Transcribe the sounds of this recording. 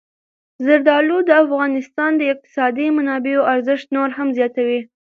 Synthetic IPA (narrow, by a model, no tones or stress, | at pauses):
zɪɾd̪ɑlud̪əafɣɑnɪst̪ɑnd̪əɪq̚t̪ɪ̥sɑd̪imanɑbeoaɾzɪʃt̪noɾɦamzjɑt̪awi